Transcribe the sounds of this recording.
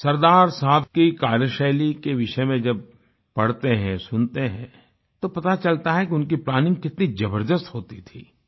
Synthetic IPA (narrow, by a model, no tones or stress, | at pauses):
sɐɾd̪aːɾsaɦbkikaːɾjəʃɛːlikeʋɪʃəmẽd͡ʒɐb̚ | pɐɽ̤t̪eɦɛ̃sʊnt̪eɦɛ̃ː | t̪opɐt̪at͡ʃɐlt̪aɦɛkiʊnkiplaːnɪ̃ŋɡkɪt̪nid͡ʒɐbəɾd̪əst̪ɦoːt̪it̪ʰḭː